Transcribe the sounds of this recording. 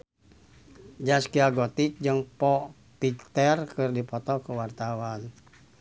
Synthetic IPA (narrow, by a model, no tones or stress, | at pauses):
d͡ʒaskiaɡɔt̪ik̚d͡ʒəŋpɔ | pikt̪ɛrkɨrdipɔt̪ɔkəwart̪awan